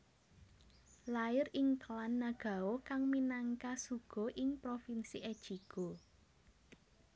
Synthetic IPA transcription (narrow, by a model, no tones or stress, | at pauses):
laɪɾɪŋkəlanːaɡ̥a̤okaŋminaŋkasuɡ̥ɔ̤ʔɪŋpɾofinsiʔɛd̥ʒ̥iɡ̥o